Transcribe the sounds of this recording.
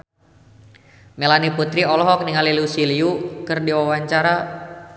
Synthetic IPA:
mɛlaniput̪ɾiɔlɔɦɔk̚niŋalilusiliukɨrdiwawaɲt͡ʃaɾa

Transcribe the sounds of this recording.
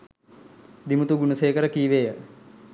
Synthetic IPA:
d̪imut̪uɡunuseːkəɾəkiːʋeːə

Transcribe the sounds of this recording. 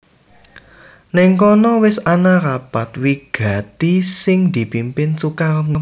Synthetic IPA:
nɛŋkɔnɔwɪsanarapat̪̚wiɡ̥a̤t̪isɪŋd̪̥i̤pimpɪnsukanə

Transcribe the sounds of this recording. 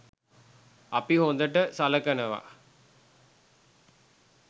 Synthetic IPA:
ɐpihond̪əʈəsaləkənəʋa̰

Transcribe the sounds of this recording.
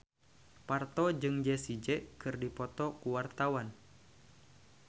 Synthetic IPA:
part̪ɔd͡ʒɨŋd͡ʒɛsid͡ʒɛʔkɨrdipɔt̪ɔkuwart̪awan

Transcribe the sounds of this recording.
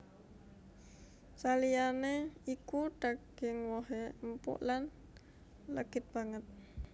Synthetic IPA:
salijaneikuɖ̥aɡ̥ɪŋwɔɦempṵʔlan | ləɡ̥ɪt̪̚b̥aŋət̪̚

